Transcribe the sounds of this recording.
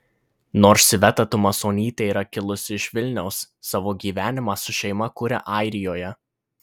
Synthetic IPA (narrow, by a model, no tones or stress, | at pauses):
noːɾʃʲʋʲɛt̪ɐt̪ʊmɐsoːnʲiːt̪ʲeiːɾɐkʲɪlˠʊsʲɪɪʃʲʋʲɪlʲnʲɛʊsːɑːʋoːɡʲiːʋʲæːnʲɪmɑːsʊʃʲɛɪmɐkʊɾʲɛ̰ʔɐɪɾʲɪjoːjɛ